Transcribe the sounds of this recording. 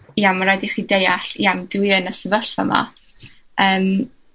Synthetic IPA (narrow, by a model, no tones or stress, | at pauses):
iamaɾadiχidejaɬiamdwiənəsəvəɬva̰ma̰ | əːm